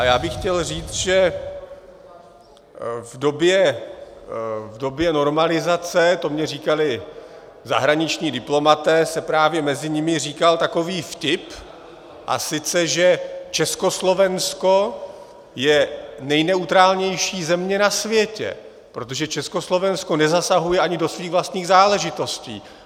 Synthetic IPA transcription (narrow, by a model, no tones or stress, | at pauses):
ʔajaːbɪxcɛlriːt͡sʒɛ | vdo̞bjɛ | vdo̞bjɛno̞ɾmalɪzat͡sɛt̪o̞mɲɛriːkalɪ | za̰ɦɾaɲɪt͡ʃɲiːdɪplo̞mat̪ɛːsɛpɾaːvjɛmɛzɪɲɪmɪriːkalt̪ako̞viːfcɪp | ʔa̰sɪt͡sɛʒɛt͡ʃɛskoslo̞vɛnsko̞ | jɛnɛjnɛut̪ɾaːlɲɛjʃiːzɛmɲɛnasvjɛcɛ̰ | pɾo̞t̪o̞ʒɛt͡ʃɛsko̞slo̞vɛnsko̞nɛzasaɦujɛʔaɲɪdo̞sviːɣvlast̪ɲiːɣzaːlɛʒɪt̪o̞scḭː